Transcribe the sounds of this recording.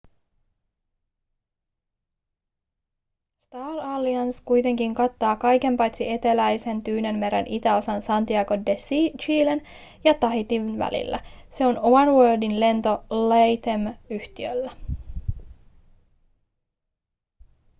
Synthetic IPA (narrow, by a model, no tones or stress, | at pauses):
st̪ɑːlɑlːiɑnskujt̪e̞ŋkiŋkɑt̪ːɑːkɑjke̞mpɑjt̪sie̞t̪e̞læjse̞nt̪yːne̞nme̞ɾḛnʔit̪æo̞sɑnsɑnt̪iɑɡo̞desit͡ʃiːlen | jɑt̪ɑɦit̪iʋnʋæ̰lḭlːæ̰se̞o̞nomɑnwøːldinle̞nt̪o̞lejt̪emyht̪iø̰lːæ